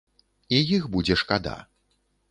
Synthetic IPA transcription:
ijixbud͡zʲɛʂkad̪a̰

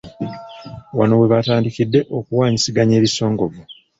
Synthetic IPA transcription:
wano̞we̞βataːndikidːe̞ʔokuwaːɲisiɡaɲe̞ːβiso̞ːŋɡo̞vo

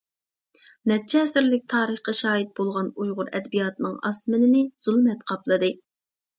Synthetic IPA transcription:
nɛt̚t͡ʃʰɛːsɪɾlɪk̚ʲt̪ʰɑːɾəχqɑʃɑːjit̪̚bolˠʁɑnujʁʊɾɛ̰d̪bijɑt̪nɨŋɑ̰smɪnɪnɪz̥ulˠmɛt̪qʰɑplˠɨd̪ɨ

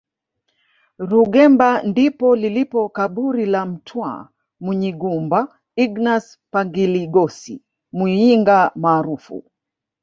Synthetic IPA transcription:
ɾuɡɛmbandipɔlilipɔkaɓuɾilam̩tʰwa̰ | muɲiɡumba | iɡnas | paŋɡiliɡɔsḭ | muiŋɡamaːɾufṵ

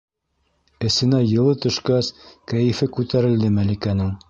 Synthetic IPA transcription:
ɘ̆sɘ̆næjɤ̆lˠɤt̪ɵ̆ʃkæskæjɘ̆fɘkʉt̪æɾɘ̆ld̪ɘmælikænɘŋ

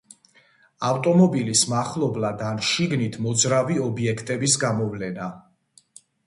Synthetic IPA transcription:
aft̪ʼɔmɔbilismaχlˠɔblad̪anʃiɡnit̪ʰmɔd̪zɾaviɔbiɛkʰt̪ʼɛbisɡamɔvlɛna

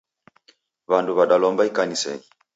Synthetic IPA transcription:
βanduβaɗalɔmbaikanisɛ̰ŋi

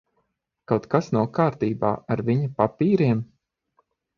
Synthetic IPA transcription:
kawt̪kasnawkaːɾt̪iːba̰ːaɾviɲɐpapiːɾiɛm

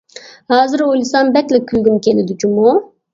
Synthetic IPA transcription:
haːzɨɾolʲisanbɛklɛkʲʰylʲɡʲymkʲelid̪ud͡ʒumu

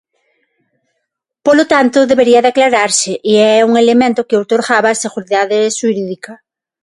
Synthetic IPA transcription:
polot̪ant̪ʊðeβeɾiɐðaklaɾaɾsɪʔiɛuŋelemẽnt̪ʊkɪot̪oɾɣaβaːseɣuɾiðaðeʃuɾiðikɐ

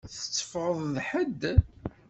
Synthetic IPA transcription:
θə̥t͡sːə̥fʁəðˤðħəd̪

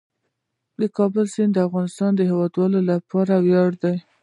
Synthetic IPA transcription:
d̪əkɑbəlsind̪əafɣɑnɪst̪ɑnd̪əɦewɑd̪wɑlolapʰɑɾawjɑɽd̪aj

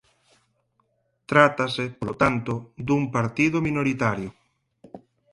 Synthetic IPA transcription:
t̪ɾat̪asepolot̪ant̪od̪umpaɾt̪iðomĩnoɾit̪aɾjo

